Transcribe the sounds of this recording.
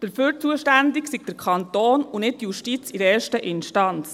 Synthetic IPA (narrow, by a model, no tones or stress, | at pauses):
d̥əɾføːɾt͡suəʃtændɪksiɡ̥̚d̥əɾkʰɑnt̪oːnunɪt̚tjuʃtit͡siɾɛːɾʃtəʔɪnʃtɑnt͡s